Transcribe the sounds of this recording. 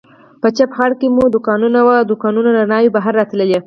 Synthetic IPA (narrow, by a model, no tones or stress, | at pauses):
pət͡ʃapxɑɽkemud̪ʊkɑnunawad̪ʊkɑnunanaɾnɑjibaɦaɾːɑt̪ləlje